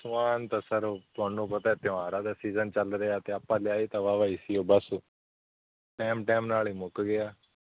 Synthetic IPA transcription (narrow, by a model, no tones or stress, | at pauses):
smaːnt̪ãːsəɾoːt̪ʊaːnũːpət̪aːɛːt̪ɪ̃aːɾãːd̪aːsiːzənt͡ʃəlɾeaːt̪eːaːpːãːlɪjaːiːt̪ãːʋaːʋaːiːsiːoːbəs | ʈɛːmʈɛːmnaːliːmʊkɡɪaː